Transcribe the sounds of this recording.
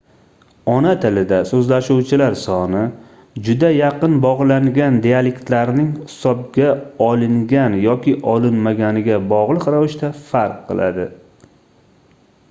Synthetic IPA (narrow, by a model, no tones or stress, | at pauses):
ɒnat̪ʰɪlɪd̪asɵzlaʃuwt͡ʃʰɪlaɾsɒnɪ | d͡ʒʊd̪ajɑqʰɨnbɒʁlˠaŋɡʲand̪ealekʲt̪laɾɪnɪŋhɪ̥sɒb̚ɡʲaɒlˠɪŋɡʲanjɒkʲɪʔɒlɪnmaɡʲanɪɡʲabɒʁlˠɨqɾavɪʃt̪afaɾqʰːɨ̰lˠa̰d̪ɪ